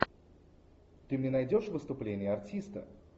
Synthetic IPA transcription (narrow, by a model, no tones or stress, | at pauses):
t̪ɨmnʲɛnɐjdʲo̞ʂvɨst̪ʊplʲenʲɪjəɐrtʲist̪ə̰